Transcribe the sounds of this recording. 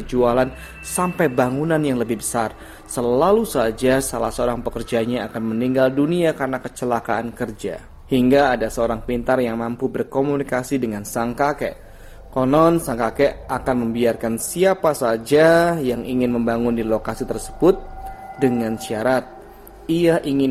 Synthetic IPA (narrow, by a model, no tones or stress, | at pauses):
d͡ʒualan | sampajbaŋunanjaŋləbɪhbəsar | səlalusad͡ʒasalahsəoɾaŋpəkərd͡ʒaɲaːkanməniŋɡalduniakaɾənakət͡ʃəlakaankərd͡ʒa̰ | hiŋɡaːdasəoɾaŋpint̪arjaŋmampubərkomunikasidəŋansaŋkakɛ̰ | konɔnsaŋkakɛʔakanməmbiarkansiapasad͡ʒajaŋʔiŋɪnməmbaŋʊndilokasit̪ərsə̥bʊt̪̚dəŋansiaɾat̪̚ | iaʔiŋɪn